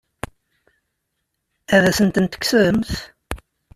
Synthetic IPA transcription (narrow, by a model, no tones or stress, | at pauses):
æðæsənt̪ənt̪ə̥ksəðəmθ